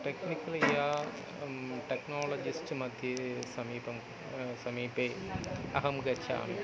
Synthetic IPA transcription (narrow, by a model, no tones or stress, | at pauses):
ʈeknikːɐljaː | ʈeknoːlɐd͡ʑisʈɨmɐd̪ʱjɐsɐmiːpɐm | sɐmiːpeːɐɦɐmɡɐt͡ɕʰːa̰ːmḛ